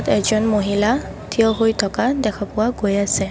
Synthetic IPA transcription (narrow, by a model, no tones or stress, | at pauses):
tɛɡzɔnmoɦila | tʰijɔɦojtʰɔkadɛkʰapʊwaɡojasɛ